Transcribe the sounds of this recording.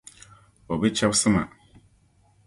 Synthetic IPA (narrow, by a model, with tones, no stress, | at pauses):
ɔ˨bɛ˦t͡ɕʰa˦bsɪ˦mã̰˨